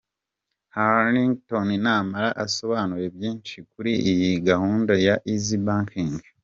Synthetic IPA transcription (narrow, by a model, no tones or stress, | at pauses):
haniŋɡtoninaːmaɾaʔaso̞βaːnuɾe̞bjiːnʃikuɾiʔːjiɡahuːndajaʔizibaːŋkʰiŋɡ